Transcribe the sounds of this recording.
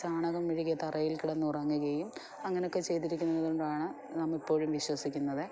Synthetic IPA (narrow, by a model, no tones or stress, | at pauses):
saːɳɐɣɐmʋiɻikʲːɐt̪ɐrɐjilkiɽɐnːɨurɐːŋːiɣɐjum | ɐŋːɐneo̞kːe̞t͡ɕe̞jt̪iɾikʲːunːɐðuɳɖaːɳɨ | nɐmːipːo̞ːɻumʋiɕwɐsikʲːunːɐðɨ